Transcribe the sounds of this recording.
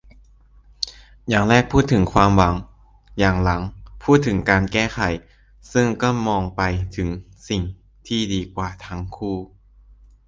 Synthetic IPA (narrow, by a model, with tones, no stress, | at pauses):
jaː˨˩ŋɾɛː˥˩k̚pʰuː˥˩t̪ʰːɯ˩˦ŋkʰwaː˧mwa˩˦ŋ | jaː˨˩ŋla˩˦ŋpʰuː˥˩t̪ʰːɯ˩˦ŋkaː˧nkɛː˥˩xʰa˨˩˦j | sɯ˥˩ŋkɔː˥˩mɔː˧ŋpa˧jt̪ʰɯ˩˦ŋ | si˨˩ŋ | t̪ʰiː˥˩diː˧kwaː˨˩t̪ʰa˦˥ŋkʰuː˥˩